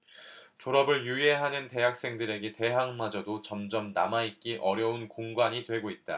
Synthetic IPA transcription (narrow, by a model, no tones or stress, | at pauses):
t͡ɕoɾʌbɯɭjue̞ɦanɯnte̞ɦak̚s͈e̞ŋdɯɾe̞ɡete̞ɦaŋmad͡ʑʌdot͡ɕʌmd͡ʑʌmna̰maik͈iʔʌɾjʌunkoŋɡwaɲitwe̞ɡoit̚t͈a̰